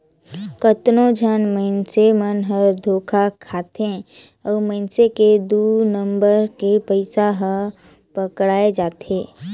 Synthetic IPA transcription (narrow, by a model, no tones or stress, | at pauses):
kət̪nõd͡ʒʱanməɪnsemənɦəɾd̪ʱoːkʰakʰaːt̪ẽ | ɔːɾməɪnseked̪uːnə̃mbəɾkepəɪsaɦə | pəkɽaːed͡ʒaːt̪eː